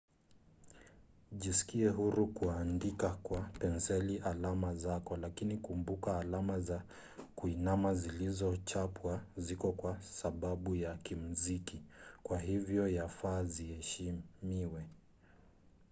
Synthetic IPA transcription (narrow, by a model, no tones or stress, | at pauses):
ʄisi̥kiɛɦuɾukuandikakwapɛnsɛliʔalamazakɔlakinikumbukaːlamaza | kuinamazilizɔt͡ʃapwazikɔkwasaɓaɓujakim̩zikikwahivjɔjafaːzihɛʃimiwɛ